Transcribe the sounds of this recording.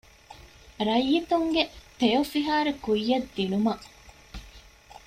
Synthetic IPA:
ɾɐjːit̪uŋɡet̪ejofiɦaːɾekujːɐd̪ːinumɐʔ

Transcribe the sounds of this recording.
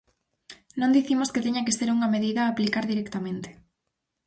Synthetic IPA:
nõnd̪iθimosket̪eɲɐkeseɾuŋɐmeðiðɐːplikaɾðiɾɛkt̪amẽnt̪e̥

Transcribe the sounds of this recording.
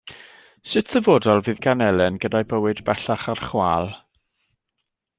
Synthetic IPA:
sɨtʰðəvoːdɔlˠviːðɡanɛlˠɛnɡədajbəwɨdbɛɬaχarχwaːlˠ

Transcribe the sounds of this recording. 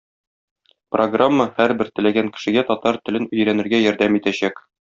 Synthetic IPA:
proɡramːəhæɾbɘɾt̪ɘ̆læɡæŋkɘ̥̆ʃɘ̆ɡæt̪ɒt̪ɑɾt̪ɘ̆lɘnɵ̆jɾænɘ̆ɾɡæjɒɾd̪æmit̪æɕæk

